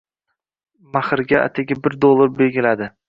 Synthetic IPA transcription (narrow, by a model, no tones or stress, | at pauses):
maχɨɾɡʲaa̰t̪ʰaɡʲɪbɪɾd̪olˠɪbeɡʲɪlad̪ɪ